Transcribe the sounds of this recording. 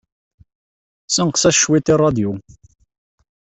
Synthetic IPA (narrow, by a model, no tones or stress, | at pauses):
sənqsæʃwit̪irˤːɑd̪ju